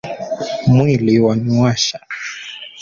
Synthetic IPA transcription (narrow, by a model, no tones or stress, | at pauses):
mwiliwanuwaʃa